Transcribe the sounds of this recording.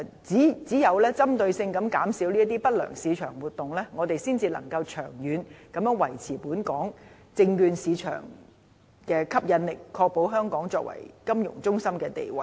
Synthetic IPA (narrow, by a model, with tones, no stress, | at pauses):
t͡si˨˥t͡siː˨˥jɐ˨˧wlɛː˥t͡sɐ˥mt̪ɵ˧ɥsɪ˧ŋkɐ˨˧˥mkaː˨˥msiː˨˥wniː˥t̪iː˥pɐ˥t̚lœ̰ː˨˩ŋsiː˨˧t͡ʃʰœ̰ː˨˩ŋwuː˨˩t̚t̪ʊ˨ŋlɛː˥ŋɔː˨˧t̪e˨jsiː˥nt͡siː˧lɐ̰˨˩ŋkɐ˧wt͡ʃʰœː˨˩ŋjyː˨˧nkɐ˨˧mjœː˨˥ŋwɐ̰˨˩jt͡sʰiː˨˩puː˨˥nkɔː˨˥ŋt͡sɪ˧ŋkyː˧nsiː˨˧t͡ʃʰœ̰ː˨˩ŋ | kɛː˧kʰɐ˥p̚jɐ˨˧nlɪ˨kʰːɔː˧k̚po˨˥wɦœː˥ŋkɔː˨˥ŋt͡sɔː˧k̚wɐ̰˨˩jkɐ˥mjʊ̰˨˩ŋt͡sʊ˥ŋsɐ˥mkɛː˧t̪ḛ˨jwɐ˨˩j